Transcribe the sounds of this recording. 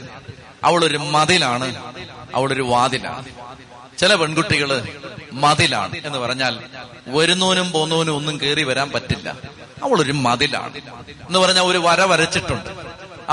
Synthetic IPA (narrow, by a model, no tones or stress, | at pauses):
ɐ̰ʋiɭo̞ɾumɐðilaːɳɨɐ̰ʋiɭo̞ɾuʋaːðila̰ːɳɨ | t͡ɕilɐpe̞ɳɡuʈːiɣɐɭmɐðila̰ːɳɨe̞nːɨpɐrɐɲːaːl | ʋɐɾunːoːnumpo̞ːnːɐːnumo̞nːumkeːriʋɐɾaːmpɐtːilːɐ̰ | ɐʋiɭo̞ɾumɐðila̰ːɳɨenːɨpɐrɐɲːaːlo̞ɾuʋɐɾɐʋɐɾɐt͡ɕːiʈːuɳɖɨ